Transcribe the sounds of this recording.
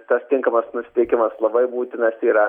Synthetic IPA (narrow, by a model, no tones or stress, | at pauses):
t̪ɐst̪ʲɪŋkɐmɐsnʊsʲɪ̥t̪ʲɛɪkʲɪmɐslˠɐbɐɪbuːt̪ʲɪnɐsiːɾɐ